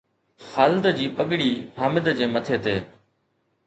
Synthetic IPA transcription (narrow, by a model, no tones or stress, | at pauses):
xaːlɪd̪d͡ʑiːpəɠɽiːhaːmɪd̪d͡ʑeːmət̪ʰeːt̪eː